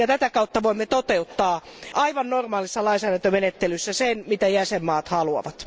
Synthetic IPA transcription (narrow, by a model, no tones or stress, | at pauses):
jɑt̪æt̪ækɑut̪ːɑʋoimːet̪ot̪eut̪ːɑːʔɑiʋɑnnormɑːlisːɑlɑinsæːdænt̪ømenet̪ːelysːæsenmit̪æjæsemːɑːt̪hɑluɑ̰ʋɑt̪